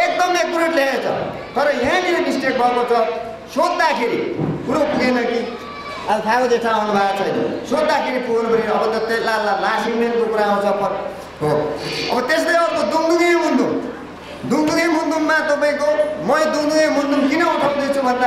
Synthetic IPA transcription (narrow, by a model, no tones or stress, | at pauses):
ek̚d̪ʌmek̚bureʈlaet͡sʰʌ̰ | t̪ʌɾʌjãliʌɖisʈek̚bʱʌkot͡sʰʌ | sod̪ːakʰeɾḭkuɽopuɡenʌki | apʰakod̪et͡sʰãaɦnubʱat͡sʰʌjnʌ̰sod̪ːakʰeɾipʰuʌnpʌɾiʌːʌd̪ʌt̪ːelalalasiŋmenkokuɾaaw̃t͡sʰʌpʰʌ | ɦoʌ̰bʌt̪eslejʌʌɾkod̪umd̪uɡeɦund̪u | d̪umd̪uɡejɦund̪ummat̪ʌpaĩkomʌd̪uŋd̪uɡemund̪umkinʌuʈʰʌwd̪ʌt͡sʰubʱʌnd̪a